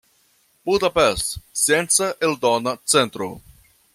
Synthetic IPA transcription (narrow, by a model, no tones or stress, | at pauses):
b̥ud̪apest̪sient͡saʔeld̪onat͡sent̪ɾo̰